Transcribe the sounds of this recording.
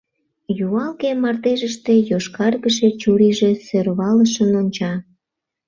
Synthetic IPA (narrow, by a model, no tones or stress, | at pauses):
juɑlkemɑrt̪eʒəʃt̪e̽joʃkɑrɣəʃet͡ɕuɾiʒesørβɑləʃənonʲt͡ɕɑ